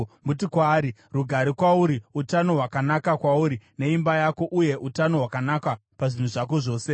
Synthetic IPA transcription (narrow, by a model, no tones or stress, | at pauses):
mut̬ikwaːɾiruɡʱaɾikwauɾiutano̞ɦwakanakakwauɾine̞imbajako̞ʔuje̞ʔutano̞ɦwakanaka | paʐin̤uʐak̬oʐo̞ːse̞